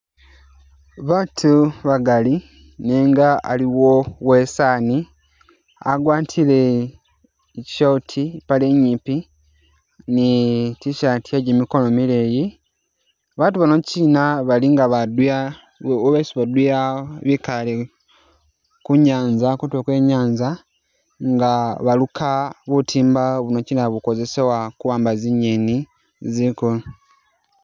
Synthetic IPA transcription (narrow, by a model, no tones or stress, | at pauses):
βaːtʰuβaɡali | neːŋɡaa̰liwowe̞saːni | a̰ɡwaːtʰile | ci̥ʃautʰipaleɲːiːpi | nitiʃatiaɟemiko̞nomileːji | βaːtuβanociːnaβaliŋɡaβadwja | oβesuβadujaβikale | kuɲaːnzakutwekwe̞ɲaːnza | ŋɡaβalukʰaβutʰiːmbaβuno̞ciːnaβuko̞ze̞se̞wakuβaːmbaziɲeni | zikolo